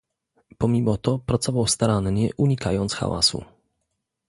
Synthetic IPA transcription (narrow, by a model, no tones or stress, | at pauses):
pɔmʲimɔt̪ɔpɾat̪sɔvawst̪aɾanɲɛʔuɲikajɔnt̪sxa̰wa̰sṵ